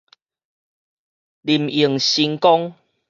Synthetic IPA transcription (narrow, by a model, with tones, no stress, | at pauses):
li˨˩mi˨˩ŋɕi˧ŋkɔ˦ŋ